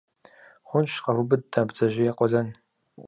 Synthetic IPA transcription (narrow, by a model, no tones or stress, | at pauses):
χʷʊnʃqɐvʊbɨd̚ːabd͡zɐʒɪjɛqʷɔɮɐn